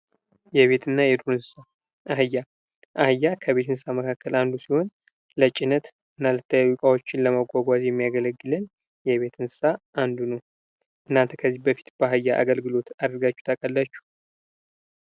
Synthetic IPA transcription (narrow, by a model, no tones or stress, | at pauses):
jɛβe̞t̪ʰɨnːajɛd̪uɾɨnsɨsa | ʔaɦɨjːa | ʔahɨjːakʰəβe̞t̪ʰɨnsɨsaməkʰakʰːəland̪usiho̞n | lət͡ʃʼɪnət̪ | ɨnːalət̪ʰːəjajukʼawo̞t͡ʃːɪnləməɡʷaɡʷazjɛmːijaɡələɡːɨlɨn | jɛβe̞t̪ʰɨnsɨ̥saʔand̪unəw | ʔɨnːant̪ʰəkʰəzːibəfi̥t̪b̥əɦɨjːaʔa̰ɡəlɡɨlo̞t̪ad̪əɾɡat͡ʃːu̥t̪ʰəkʼəlːat͡ʃːu̥